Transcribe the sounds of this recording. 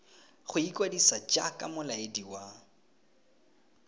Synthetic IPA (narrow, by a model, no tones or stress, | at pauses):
χʊikʼwadisat͡ʃʼa̰kʼa̰mʊlaediwa